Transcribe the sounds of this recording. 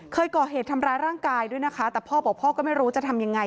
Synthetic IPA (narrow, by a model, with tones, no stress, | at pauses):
kʰɤː˧jkɔː˨˩ɦeː˨˩t̪ʰa˧mɾaː˧jɾaː˥˩ŋkaː˧jdu˥˩əjna˦˥kʰa˦˥t̪ɛː˨˩pʰɔː˥˩bɔ˨˩pʰɔː˥˩kɔː˥˩ma˥˩jɾuː˦˥t͡ɕa˨˩t̪ʰa˧mja˧ŋːa˧